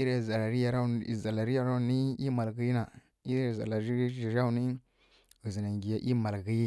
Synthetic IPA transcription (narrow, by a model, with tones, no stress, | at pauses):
i˦ɾe˦˨za˨la˨ɾi˦ja˨ɾa˦˨za˨la˨ɾi˦ja˨ɾa˦˨ni˦i˦ma˨lɡə˦ji˦na˨ | i˦ɾe˦˨za̰˨la˨ɾi˦i˨ɾa˦u˨ni˦ | u˨zi˨na˨ŋɡi˨ja˨ʔi˦ma˨lɡə˦ji˦